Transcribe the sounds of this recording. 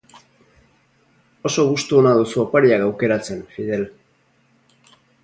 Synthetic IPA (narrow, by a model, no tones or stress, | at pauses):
o̞so̞ɣ̞ust̪uonaðusuopaɾiakawke̞ɾat͡se̞nfiðe̞l